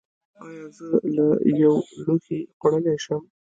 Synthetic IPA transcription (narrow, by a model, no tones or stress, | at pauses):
ɑjɑzəlajawloxixʊɽəleʃəm